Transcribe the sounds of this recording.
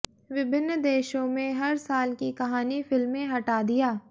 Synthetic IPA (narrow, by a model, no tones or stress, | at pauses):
ʋɪbʱɪnːd̪eːʃõmẽɦɐɾsaːlkikɐɦaːnifɪlmːẽɦɐʈaːd̪ijaː